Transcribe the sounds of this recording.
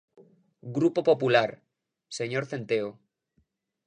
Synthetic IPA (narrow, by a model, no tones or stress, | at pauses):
ɡɾupopo̞pulaɾ | se̞ɲo̞ɾθe̞nt̪eo